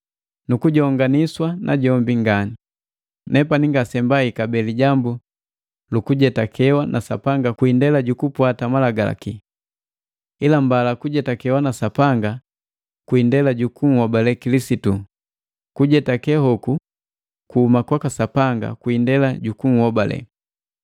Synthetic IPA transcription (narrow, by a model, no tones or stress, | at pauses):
nukuɟɔŋɡaniswanʔa̰ɟɔmbiŋɡani | nɛpaniŋɡasɛmbaikabɛliɟambu | lukuɟɛtakʰɛwanʔasa̰paŋɡakwindɛlaɟukupwatamalaɡala̰ki | ilambalakuɟɛtakɛwanasapaŋɡa | kwindɛlaɟukuŋ̩hɔbalɛkilisitu | kuɟɛtakɛhɔku | kuhumakwakasapaŋɡa̰kwindɛlaɟukuŋ̩hɔbalɛ̰